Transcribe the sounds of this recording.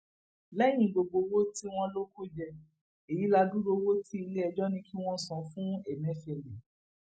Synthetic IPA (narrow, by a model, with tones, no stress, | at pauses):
lɛ˦j̃ĩ˨ɡ͡bo˨ɡ͡bo˧wo˦ti˦w̃ɔ̃˧lo˦ko˦d͡ʒɛ˧ | e˨ji˨˦la˧du˦ɾo˧wo˦ti˦i˧le˦ɛ˧d͡ʒɔ˦nĩ˦ki˦w̃ɔ̃˦sɔ̃˨˧fũ˦ɛ˨mɛ̃˨˦fi˦ɛ˨lɛ˨